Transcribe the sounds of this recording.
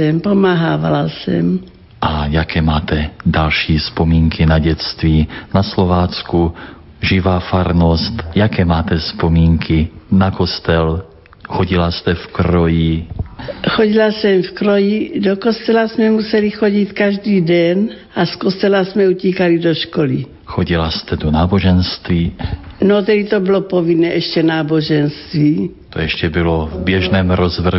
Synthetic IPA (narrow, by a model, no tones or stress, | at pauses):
ɛmpomaɦaːva̰lasɛ̰m | ʔajakɛːmaːt̪ɛd̪alʃiːspomiːŋkʰinaɟɛt͡st̪viːnaslovaːt͡sku | ʒivaːfaɾnost̪jakɛmaːt̪ɛspomiːŋkʰinakost̪ɛl | xoɟilast̪ɛfkɾoji | xoɟilasɛmfkɾojidokost̪ɛlasmɛmusɛlixoɟit̪kaʒdiːdɛn | ʔaskost̪ɛlasmɛuciːkalidoʃkoli | xoɟilast̪ɛdonaːboʒɛnst̪viːnot̪ɛdit̪obilopovinɛːʔɛʃcɛnaːboʒɛnst̪viː | t̪ojɛʃcɛbɪlovbjɛʒnɛːmɾozvr̩